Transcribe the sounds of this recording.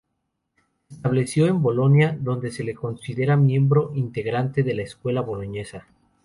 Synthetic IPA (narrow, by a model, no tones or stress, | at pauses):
eest̪aβle̞sjo̞e̞mbo̞lo̞njaðo̞nd̪e̞se̞le̞ko̞nsiðe̞ɾamje̞mbɾo̞ʔint̪e̞ɣɾant̪e̞ðe̞laeskwe̞laβo̞lo̞ɲe̞sa